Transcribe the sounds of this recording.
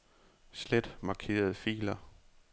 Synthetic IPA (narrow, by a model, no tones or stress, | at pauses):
sled̥mɑ̈kʰe̝̰ːɐð̞̩ˠfḭːlɐ